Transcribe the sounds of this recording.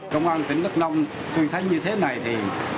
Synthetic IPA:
kə˧wŋ͡mʔaː˧nt̪i˨˧˦ŋ̟nə˦˥k̚nɔ˧wŋ͡m | t̪u˧jt̪ʰə˨˦jɲɨ˧t̪ʰe˨˦na˨˩jt̪ʰi˨˩

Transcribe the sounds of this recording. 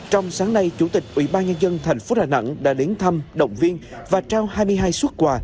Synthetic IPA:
t͡ɕɔ˧wŋ͡msaː˨˦ŋna˧jt͡ɕu˧˩t̪ï˨˩k̟̚ʔwḭ˧˩ɓaː˧nɲə˧nzə˧nt̪ʰɛ˨˩jŋ̟fo˨˦ɗaː˨˩na̰˧˥ŋɗa̰ː˧˥ɗe˨˦nt̪ʰə˧mɗə̰˧˨wŋ͡mvi˧ənvaː˨˩t͡ɕaː˧whaː˧jmɨ˧əjɦaː˧jswə˦˥t̚kwaː˧˩

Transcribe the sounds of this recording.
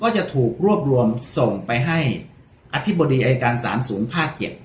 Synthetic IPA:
kɔː˥˩t͡ɕa˨˩ʔt̪ʰuː˨˩k̚ɾu˥˩əp̚ɾu˧əmso˨˩ŋpa˧jɦa˥˩j | ʔa˧t̪ʰi˦˥˩bːo˧diː˧ʔa˧jaː˧kaː˧nsa̰ː˩˦msuː˩˦npʰaː˥˩kt͡ɕe˨˩p̚

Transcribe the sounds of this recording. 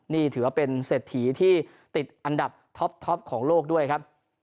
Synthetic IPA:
niː˥˩t̪ʰɯː˩˦wpe˧nseː˨˩t̪ʰːiː˩˦t̪ʰiː˥˩ | t̪i˨˩t̪̚ʔa˧nda˨˩p̚t̪ʰɔ˦˥p̚t̪ʰɔ˦˥p̚kʰɔː˩˦ŋloː˥˩k̚du˥˩əjkʰa˦˥p̚

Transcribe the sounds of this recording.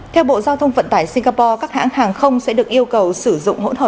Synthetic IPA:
t̪ʰɛ˧wɓo̰˧˨zaː˧wt̪ʰə˧wŋ͡mvə̰˧˨nt̪aː˧˩jsi˧ŋ̟ɣaː˧pɔ˧kaː˦˥k̚ha̰ː˧˥ŋhaː˨˩ŋxə˧wŋ͡msɛ̰˧˥ɗɨ˨˩ək̚ʔi˧əwkə˨˩wsɨ˧˩zʊ̰˧˨ŋ͡mɦo̰˧˥nhə̰˧˨

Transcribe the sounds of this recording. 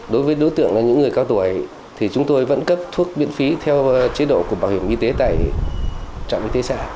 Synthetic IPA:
ɗo˨˦jvəː˨˦jɗo˨˦jt̪ɨ̰˧˨əŋlaː˨˩ɲɨ̰˧˥ŋːɨ˨˩əjka˧wt̪u˧˩˨j | t̪ʰi˨˩t͡ɕʊ˨˦ŋ͡mt̪o˧jvə̰˧˥nkə˦˥p̚t̪ʰu˦˥ək̚mḭ˧˥ənfi˨˦t̪ʰɛ˧wt͡ɕi˧˦ɗo̰˧˨ku˧˩əɓaː˧˩whi˧˩əmʔi˧t̪e˨˦t̪a̰ː˧˨j | t͡ɕa̰˧˨wʔi˧t̪e˨˦sa̰ː˧˥˨

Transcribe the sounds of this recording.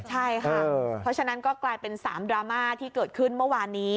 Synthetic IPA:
t͡ɕʰa˥˩jkʰɤaː˩˧ɾɔ˦˥t͡ɕʰa˧na˦˥nkɔː˥˩klaː˧jpe˧nsaː˩˦mdɾaː˧maː˥˩t̪ʰiː˥˩kɤː˨˩t̪̚kʰɯ˥˩nmɯ˥˩waː˧nːiː˦˥

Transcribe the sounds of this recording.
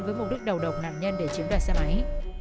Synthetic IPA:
vəː˨˦jm˨˩t̚ɗɨ˦˥k̚ɗə˨˩wɗə˨˩wk͡p̚na̰ː˨˩nɲə˧nɗe˧˩t͡ɕi˨˦ŋ͡mɗaː˨˩sa˧˩mʔa˨˦j

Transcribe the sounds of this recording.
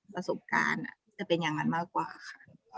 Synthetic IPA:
pɾa˧so˨˩p̚ka̰ː˧na̰˨˩t͡ɕa˨˩pe˧nja˨˩ŋːa˧nmaː˥˩kːwaː˨˩kʰa˧˩

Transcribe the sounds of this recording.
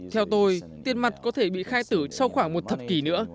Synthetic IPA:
t̪ʰɛ˧wt̪o˧jt̪i˧ənma˨˩t̚kɔ˨˦t̪ʰe˧˩ɓḭ˧˨xaː˧jt̪ɨ˧˩sa˧wxwaː˧˩ŋmo˨˩t̚t̪ʰə˨˩p̚ki˨˩nɨ̰˧˥ə

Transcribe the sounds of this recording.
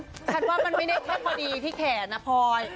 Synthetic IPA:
t͡ɕʰa˥˩twaː˥˩ma˧nma˥˩jda˥˩jt̪ʰi˦˥˩ək̚maː˧diː˧t̪ʰiː˥˩kʰɛː˩˦˩na˦˥pʰɔː˧j

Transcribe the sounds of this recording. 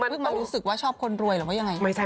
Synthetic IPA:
mʰ˧ɯ˥˩ŋmaː˧ɾuː˦˥sɯ˨˩k̚waː˥˩t͡ɕʰɔː˥˩p̚kʰo˧nɾu˧əjɾɯː˨˩wa˥˩a˧ŋa˧jma˥˩t͡ɕʰa˥˩

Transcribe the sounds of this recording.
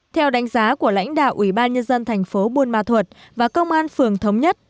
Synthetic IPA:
t̪ʰɛ˧wɗa˨˦jŋ̟zaː˨˦ku˧˩əla̰˧˥jŋ̟ɗa̰ː˧˨wʔi˧˩ɓaː˧nɲə˧nzə˧nt̪ʰɛ˨˩jŋ̟fo˨˦ɓu˧˩nma̰ː˧˩t̪ʰwə˨˩t̚vaː˨˩kə˧wŋ͡mʔaː˧nfɨ˨˩əŋt̪ʰə˨˦wŋ͡mɲə˦˥t̚

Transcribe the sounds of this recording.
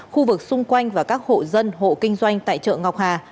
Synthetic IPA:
xu˧vɨ˨˩k̚sʊ˧ŋ͡mkwa˧jŋ̟vaː˨˩kaː˦˥k̚ho̰˧˨zə˧nɦo̰˧˨kï˧ŋ̟zwa˧jŋ̟t̪a̰ː˧˨jt͡ɕə̰ː˧˨ŋɔ˨˩wk͡p̚haː˨˩

